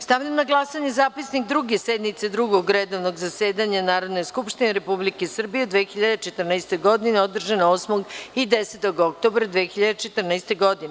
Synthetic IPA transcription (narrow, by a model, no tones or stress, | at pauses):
st̪aʋʎʲamnaɡlˠasaɲezaːpisnikd̪ɾuɡesed̪nit̪sed̪ɾuɡoɡɾed̪o̞ʋno̞ɡzaseːd̪aɲanaːɾo̞d̪no̞jskupʃt̪ineɾepublikesr̩bijed̪ʋexiʎad̪et͡ʃet̪rnaɛst̪o̞ɡo̞d̪ineod̪r̩ʒanaoːsmoɡid̪eset̪o̞ɡok̚t̪o̞bɾad̪ʋexiʎad̪et͡ʃet̪rnast̪eɡo̞d̪ine